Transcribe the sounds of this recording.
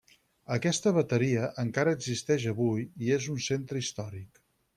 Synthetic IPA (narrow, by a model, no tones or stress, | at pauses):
əkɛst̪əβət̪əɾiəʔəŋkaɾəːɡzist̪ɛʃəβujiezunsent̪ɾəist̪ɔɾik